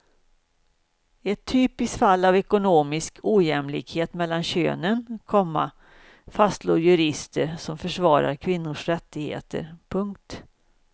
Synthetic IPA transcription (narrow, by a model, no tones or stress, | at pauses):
ɛt̪ʰːyːpɪst̪falːavɛkʊnoːmɪskʰuːjɛmlɪ̰kheːt̪mɛlːanɕø̰ːnənkʰɔmːa̰ | fast̪loːɾjɵɾɪst̪ʰəɾsɔmfœʂvɑːɾa̰ɾkʰvɪnːʊʂɾɛt̪ːɪɡhḛːt̪ə̰ɾpʰɵŋkt̪